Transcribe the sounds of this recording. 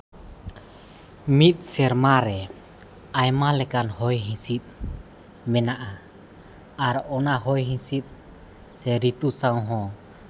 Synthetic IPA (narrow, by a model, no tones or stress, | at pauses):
mit̪̚sɛɾmaɾɛ | ajmalɛkanhɔjɦisit̪̚ | mɛnaʔa | aɾɔnaɦɔjɦisit̪̚ | sɛɾit̪usaŋɦɔ